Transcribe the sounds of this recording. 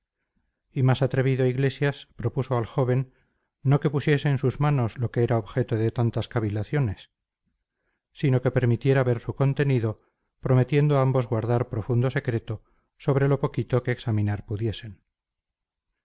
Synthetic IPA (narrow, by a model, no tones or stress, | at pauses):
imasat̪ɾe̞β̞iðoaiɣle̞sjaspɾo̞puso̞alxo̞β̞e̞nː | o̞ke̞pusje̞seːnsuzmano̞slo̞keeɾaoβxe̞t̪oðe̞t̪ant̪askaβilaθjo̞ne̞s | ino̞ke̞pe̞ɾmit̪je̞ɾaβe̞ɾsuko̞nt̪e̞niðo | pɾo̞me̞t̪je̞nd̪oambo̞zɣwaɾðaɾpɾo̞fund̪o̞se̞kɾe̞t̪o̞ | so̞β̞ɾe̞lo̞po̞kit̪o̞ke̞ːksamĩnaɾpuðje̞se̞n